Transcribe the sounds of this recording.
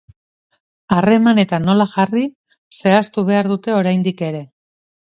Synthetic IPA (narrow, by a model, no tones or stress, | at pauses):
are̞mane̞t̪ano̞laʝari | se̞ast̪uβ̞e̞aɾðut̪e̞o̞ɾajnd̪ike̞ɾe̞